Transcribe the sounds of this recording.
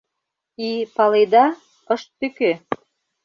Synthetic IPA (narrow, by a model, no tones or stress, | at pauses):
ipɑled̪ɑ | əʃt̪ːykø